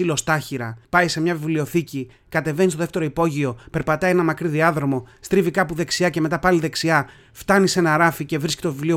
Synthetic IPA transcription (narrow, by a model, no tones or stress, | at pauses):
ilo̞st̪ɐçiɾɐpɐjse̞mɲɐvivlio̞θici | kɐt̪e̞ve̞nist̪oðeft̪e̞ɾoipo̞ʝio̞pe̞ɾpɐt̪ɐie̞nɐmɐkɾiðiɐðɾo̞mo̞st̪ɾivikɐpuðe̞ksiɐce̞me̞t̪ɐpɐliðe̞ksiɐ | ft̪ɐnise̞nɐɾɐfice̞vɾiscit̪o̞vivlio